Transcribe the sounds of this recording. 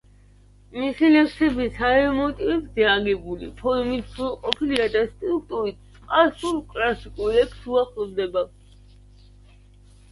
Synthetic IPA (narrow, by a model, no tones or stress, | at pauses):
misilɛpsɛbisaɛmɔt̪ʼivɛbzɛaɡɛbulḭpʰɔɾmit̪ʰsʰulˠqʼɔpʰiliad̪ast̪ʼɾuk̚t̪ʼuɾit̪̚ʰsʼqʼasulkʼlasikʼulɛksuaχlɔvd̪ɛba